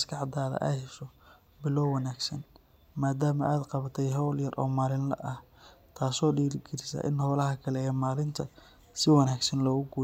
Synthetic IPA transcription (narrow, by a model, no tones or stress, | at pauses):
mskʰɑʕd̪aːðɐ̰ʔɐhɛʃɔ | bɪlɔwwːɐnaːɡsɐn | maːd̪aːmɐ̰ʔaːd̪qɑβɐt̪ʰɛjɦɔwljɐrʔɔ̰ːmaːlɪnlɐ̰ʔɐh | t̪ʰaːsɔːɖiːɾɪɡʰɪɾɪsa̰ːʔɪ̰nhɔwlɐɦɐkʰɐlɛɛːmaːlɪnt̪ʰɐ | sɪwɑnaːɡsɐnlɔːɣʊɡuː